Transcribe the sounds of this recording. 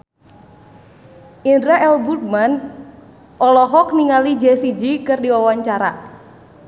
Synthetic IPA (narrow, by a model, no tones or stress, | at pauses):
ʔindɾaʔɛlbut̚man | ʔɔlɔɦɔkniŋalid͡ʒɛsid͡ʒikɨrdiwawaɲt͡ʃaɾa̰